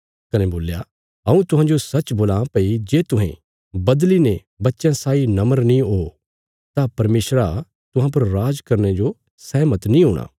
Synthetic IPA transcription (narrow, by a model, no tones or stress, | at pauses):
kɐneboːlja | ɦɐ̃ũt̪ʊɦãd͡ʒosɐt͡ʃboːlãːpɐid͡ʒeːt̪ʊɦḛ̃ | bɐd̪line | bɐtːʃjãsaːinɐməɾnĩɦoː | t̪apɐɾmeːsɾa | t̪ʊɦãp̬ɐɾɾaːd͡ʒkɐɾned͡ʒo | sɛːmət̪nĩɦoːɽ̃ʔa̰ː